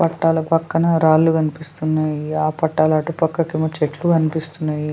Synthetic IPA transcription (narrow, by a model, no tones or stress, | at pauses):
pɐʈːaːlɐpɐkːɐnɐɾaːlːukɐnipist̪unːaːjiaːpɐʈːaːlɐːʈupɐkːɐkimɐt͡ʃeʈlukɐnipist̪unːaːji